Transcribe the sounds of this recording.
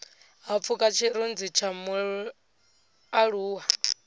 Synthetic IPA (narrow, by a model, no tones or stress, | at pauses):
ɦap̪fʰukʼat͡ʃʰiɾund͡zit͡ʃʰamu | aɺuːɦa